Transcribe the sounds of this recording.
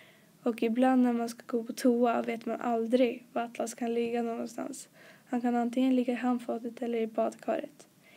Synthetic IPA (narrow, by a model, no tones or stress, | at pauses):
ɔkɪbland̪næɾmanskaɡoːpʰɔt̪ʰuːaveːt̪manʔa̰ld̪ɾɪɡvat̪laskʰanlɪɡːanoːɡɔnst̪ʰa̰nshankʰanant̪ɪŋənlɪɡːaɪɦamːfɑːt̪ət̪ɛlːəɾɪbɑːd̪kʰɑ̰ːɾə̰t̪